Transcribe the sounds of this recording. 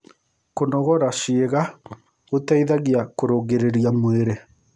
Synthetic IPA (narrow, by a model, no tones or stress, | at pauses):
konɔɣɔɾaʃieɣa | ɣotaiðaɣiakoɾoɣeɾeɾijamweɾe